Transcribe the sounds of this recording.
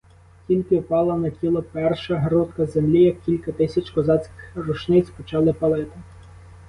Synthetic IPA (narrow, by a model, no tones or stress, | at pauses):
tʲilʲkɪwpɑlˠɐnɐtʲilˠɔpɛrʃɐɦɾut̪kɐzemlʲijɐkːʲilʲkɐt̪ɪsʲɐt͡ʃkɔzɑt͡sʲkʲɪ̥xrʊt͡ʃnɪt͡sʲpɔt͡ʃɑlˠɪpɐlˠɪt̪ɪ